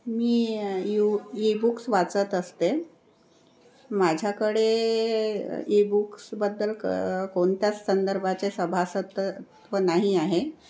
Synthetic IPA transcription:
miːjuibuksʋat͡sət̪əst̪e | mad͡ʑʱjakəɽe | ibuksbəd̪ːəlkoɳt̪jat͡sːənd̪əɾbʱat͡sesəbʱasət̪ | ʋənaɦiaɦe

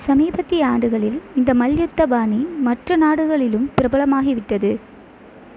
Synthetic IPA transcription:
sɐmiːbɐt̪ːiaːɳɖɯɣɐɭɪlɪnd̪ɐmɐljʊt̪ːɐbaːnimɐʈrɐnaːɽɯɣɐɭɪlɯmpɪɾɐbɐɭɐmaːɣiʋɪʈːɐðɯ

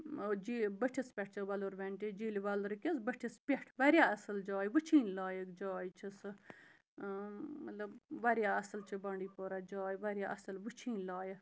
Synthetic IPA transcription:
od͡ʒiːbəʈʰispʲeʈ̚ʰt͡ʃʰɐʋaluɾʋʲeɳʈid͡ʒiːlʋaːlɾkʲisbəʈʰispʲeʈʰʋaɾjaːɐsəld͡ʒaːjʋət͡ʃʰiːnlaːjəkd͡ʒaːjt͡ʃʰis | mɐt̪ləbʋaɾjaːɐsəlt͡ʃʰibãːɳɖiːpoːɾad͡ʒaːjʋaɾʲjaːʔɐsəlʋət͡ʃʰiːnʲlaːjə

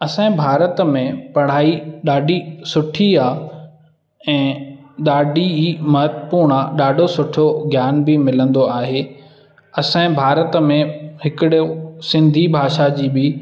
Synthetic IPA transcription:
ɐsãĩbʱaːɾət̪mẽpɐɽ̤̃aːiɗaːɖʱisʊʈʰiaː | ɛ̃ːɗaːɖʱimɐɦət̪puːɾɳ̃aɗaːɖʱosʊʈʰoɡʱjaːnbɪmɪlə̃nd̪oaːɦeː | ɐsãːĩbʱaːɾət̪mẽɦɪkɪɗosɪ̃nd̪ʱibʱaːʃad͡ʑiːbɪ

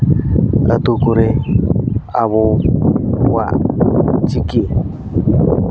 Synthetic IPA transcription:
ɾat̪ukuɾe | aβo | wa̰ | t͡ʃikie

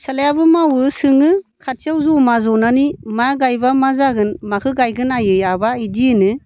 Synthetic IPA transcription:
salajabɯmawɯsɯŋɯkʰat̚siawzumazɔnanimaɡajbamazaɡɯnmakʰɯɡajɡɯnajɯjabaidiɯnɯ

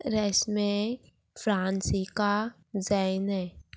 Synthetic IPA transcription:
ɾɛsmẽ | fɾaːnsika | zɛnɦɛː

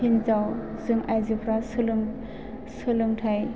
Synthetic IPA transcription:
hinzaw | zɯŋʔajzipʰɾasɯlɯŋ | sɯlɯŋtʰaj

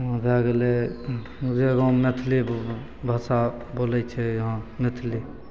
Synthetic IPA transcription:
bʱaɡle | d͡ʒeɡõmet̪ʰli | bʱasa | bolɛt͡ʃʰɛjɦãmet̪ʰli

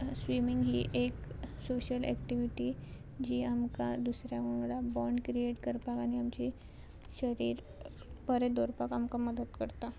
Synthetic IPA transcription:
sʋimiŋɡɦḭːʔeksoɕəlɛ̰kʈiʋiʈi | d͡ʑiːamkad̪usɾjamuɽabɔɳɖkɾieʈkəɾpakañiamt͡ɕi | ɕəɾiːɾ | pəɾed̪oɾpakamkaməd̪ət̪kəɾt̪a

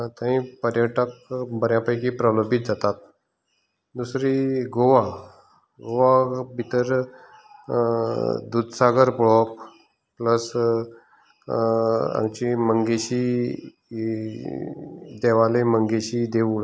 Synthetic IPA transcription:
t̪ãɦĩpəɾjəʈəkbəɾjãpəjkipɾəlobʱit̪̚d͡zat̪at̪̚ | d̪usɾiɡoʋa | ɡoʋabʱit̪əɾ | d̪ud̪saɡəɾpɭɔp | pləs | a̰ŋɡt͡ɕiməŋɡeɕi | d̪ɛʋaleməŋɡeɕid̪eʋuɭ

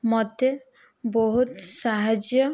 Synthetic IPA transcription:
mɔt̪ːe | bɔɦut̪saɦad͡ʒjɔ

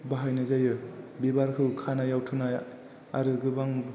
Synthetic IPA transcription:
baɦajnazajɯbibaɾkʰɯwkʰanajawtʰɯnaj | aɾɯɡɯbaŋ

